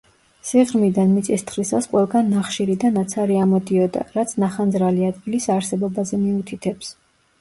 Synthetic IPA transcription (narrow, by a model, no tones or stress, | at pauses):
siʁɾmid̪anmit̪sʼist̪ʰχlisasqʼwɛlˠɡanːaχʃiɾid̪anat̪sʰaɾiamɔd̪iɔd̪a̰ɾat̪sʰnaχanzɾaliad̪̚ɡilisaɾsɛbɔbazɛmiut̪ʰit̪ʰɛps